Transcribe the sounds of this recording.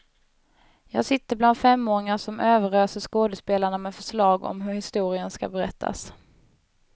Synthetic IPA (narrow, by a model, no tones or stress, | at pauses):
jɑːɡsɪt̪ːəbland̪fɛmːoːɾɪŋaʂɔmʔøːvəɾøːsəʂkoːd̪əspeːlaɳamɛfœʂlɑːɡɔ̰mɦɵɾhɪst̪uːɾɪənska̰bɛɾɛt̪ʰːa̰s